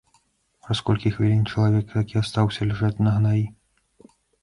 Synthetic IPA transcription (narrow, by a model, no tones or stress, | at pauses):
ɾaskɔlʲkʲixvʲilʲinʲt͡ʂɐlˠavʲɛkt̪akʲiast̪awsʲɐlʲaʐat͡sʲnɐɣnaji